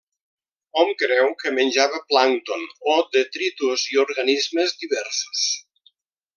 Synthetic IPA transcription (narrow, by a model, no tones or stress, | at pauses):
ɔmkɾɛwkemenʲʒaβəplaŋt̪onod̪et̪ɾit̪uzioɾɣanizməzd̪iβɛɾsu̥s